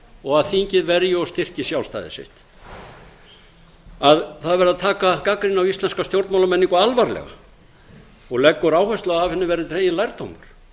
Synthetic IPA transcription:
ɔɣaðθiɲcɪðvɛɾjɪɔst̪ɪr̥cɪsjawlst̪a̰ːðɪ̰sɪ̰ht̪ | aðθaðvɛɾɪðaðt̪ʰaːkakakɾinawist̪lɛnskawst̪jowɾt̪mawlamɛnːiŋkʏalvaɾlɛ̰ɣa̰ | ɔɣlɛkːʏɾaːwhœst̪laaavhɛnːɪvɛːɾɪt̪ʰɾeːjɪlajɾt̪o̰wmʏɾ̥

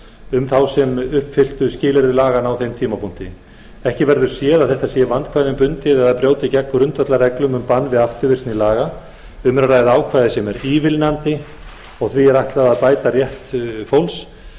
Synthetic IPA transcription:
ʏmθawsɛmʏhpfɪl̥t̪ʏscɪːlɛɾðʏlaːɣanawθejmt̪ʰiːmapʰun̥t̪ɪ | ɛhcɪvɛɾðʏɾ̥sjɛːðaðθɛht̪asjɛvant̪kʰvajðɪmpʏnt̪ɪðɛðaðpɾjoːwt̪ɪcɛkːʏɾʏnt̪vœt̪larɛklʏmʏmpanːvɪðaft̪ʏɾvɪr̥t̪nilaːɣa | ʏmɛɾaraːjðaaːwkʰvajðɪsɛmɛɾiːvɪlnant̪ɪ | ɔɣθviɛɾaht̪laðaðpaːjt̪arjɛht̪fowls

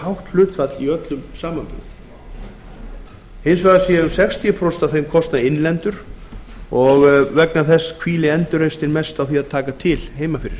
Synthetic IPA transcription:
hawht̪l̥ʏːt̪fat̪liœt̪lʏmsaːmanpʏ̰ɣ | hɪnsvɛɣðaseːjaʏmsɛkst̪ʰiʏpʰɾost̪awθejmkʰɔst̪naɪnlɛnt̪ʏɾ̥ | ɔɣvɛknaθɛsːkʰviːlɪɛnt̪ʏɾejst̪ɪnmɛst̪awθiaðt̪ʰaːkat̪ʰɪlɦeːjmafɪɾɪɾ̥

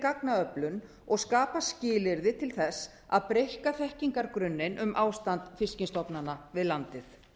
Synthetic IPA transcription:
kaknaœplʏn | ɔɣskaːpascɪːlɪɾðɪt̪ʰɪlθɛsː | a̰ðpɾejhkaθɛhciŋkaɾkɾʏnːɪnʔʏmʔaːwst̪ant̪fɪscɪnst̪ɔpnanavɪðlant̪ɪθ

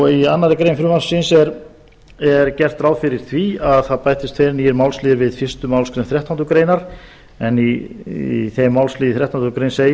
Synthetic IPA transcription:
ɔianːaɾɪkɾejnfɾʏmassɪnsɛɾ | ɛɾcɛr̥t̪ɾaːwfɪɾɪɾ̥θviaðθaðpajt̪ɪst̪fɛːɾniɪɾmaːwlsliːðɪɾvɪðfɪst̪ʏmawlskɾejnθɾɛht̪ant̪ʏkɾeːjnaɾ̥ | ɛni | θejmːawlsliːðɪθɾɛht̪ʰanʏkɾejnsej

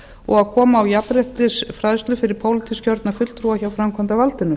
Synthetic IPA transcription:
ɔ̰ɣaðkʰɔːmaːwjapɾɛht̪ɪsfɾaðst̪lʏfɪɾɪɾ̥pʰawlɪt̪ʰiscœɾt̪nafʏtlt̪ʰɾuaçawfɾamkʰant̪avalt̪ɪnʏ

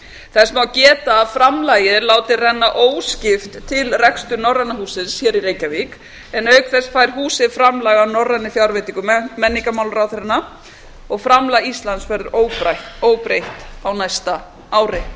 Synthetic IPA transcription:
θɛsmawcɛːt̪aːfɾamlaːjɪðlaːwt̪ɪrɛnːaʔoːwscɪft̪ʰːɪlrɛkst̪ʏnɔrːanːahuːsɪðjɛɾiɾejcavik | ɛnœɥkθɛsfajɾ̥ɦuːsɪðfɾamlaːɣanɔrːanːɪfjawɾvet̪iŋkʏmmɛnːiŋkamawlɾawθɾɛnːa | ɔɣfɾamlaɣist̪lansvɛɾðʏoːwpɾajht̪oːwpɾejht̪awnajst̪a | aːwɾɪ

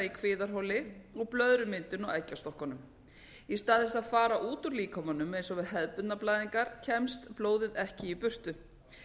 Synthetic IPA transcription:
ikʰvɪːðaɾ̥ɦowlɪɔɣplœðɾʏmɪnt̪ʏnɔɣajcːast̪ɔhkanʏm | ist̪aːðɪsaðfaːɾaʔuːt̪uɾliːkʰamanʏmejnsɔvɪðɦɛðpʏt̪naplajðiŋkaɾ̥cʰɛmst̪ploːwðɪðɛhcɪipʏr̥t̪ʏ

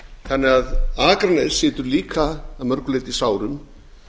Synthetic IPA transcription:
θanːɪɣaðaːkɾanɛðsɪːt̪ʏɾliːkʰaːðmœɾkʏleːt̪ɪsaːwɾʏm

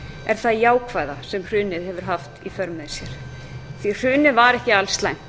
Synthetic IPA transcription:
ɛɾ̥θaðjaːwkʰvajðasɛmr̥ʏːnɪðhɛvʏɾ̥ɦaft̪ifœɾmɛðsjɛɾ̥ | θir̥ʏːnɪvaɾɛhcɪalst̪lajn̥

